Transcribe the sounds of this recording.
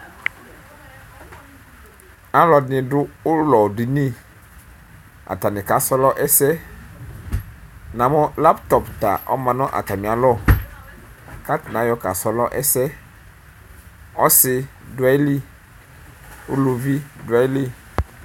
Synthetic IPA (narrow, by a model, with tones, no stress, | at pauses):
a˦lɔ˨dnɪ̃˨dʊ˦ʊ˦lɔ˨di˨nĩ˦ | a̰˨ta˨nɪ̃˨ka˨sɔ˦lɔ˦ʔɛ˦sɛ˦ | nã˨mʊ̃˦la˦ptɔ˨pta̰˨ʔɔ̰˦mã˨nʊ̃˦ʔa̰˨ta˨mɪ̃˨a˨lɔ˦ | ka˦tnã˨˦jɔ˦ka˨sɔ˨lɔ˦ʔɛ˦sɛ˦ | ɔ˦sɪ˦dʊ˨˦a˦li˦ | ʊ˦lu˨vi˦dʊ˨a˦li˦